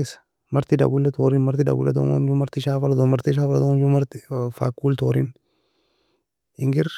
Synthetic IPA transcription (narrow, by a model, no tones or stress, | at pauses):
esɐ̥ | mɐɾt̪ɪd̪ɐ̰bulːɛt̪oːɾinmɐɾt̪ɪd̪ɐ̰bṵlːɛ̰t̪ɔ̰ɐ̰nd͡ʒumɐɾt̪ɪʃaːfɐlɐt̪ɔmɐɾt̪ɪʃ̬aːfɐlɐt̪ɔnd͡ʒumɐɾt̪ɪfaːkːuːlt̪oːɾin | ɪŋɡɪɾ